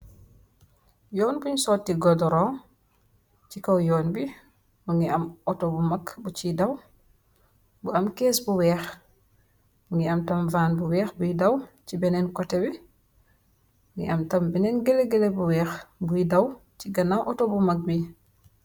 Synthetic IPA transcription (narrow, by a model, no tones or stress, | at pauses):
jɔːnbuɲsɔːtːiɡɔdɔɾɔː | cikɐwjɔːnbi | muŋɡiɐmɔtobumɐkbut͡ʃidɐw | buɐmkɛːsbuwɛːx | uŋɡiɐmtɐmvaːnbuwɛːxbujidɐwcibɛnɛnkɔtɛbi | uŋɡiʔɐmtɐmbinɛnɡɛleɡɛlebuwɛːxbujidɐwciɡɐnawʔɔtobumɐk̚bi